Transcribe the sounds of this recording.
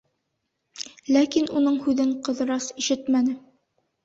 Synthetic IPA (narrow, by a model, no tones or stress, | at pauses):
lækinunɤɴhʉðɘɴqɤ̆ðɤ̆ɾɑsiʃɘt̪mænɘ